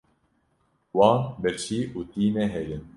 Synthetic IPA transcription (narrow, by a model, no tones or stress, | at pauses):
wɑːnbɛɾt͡ʃiːʔuːt̪iːnɛɦɛɾɪn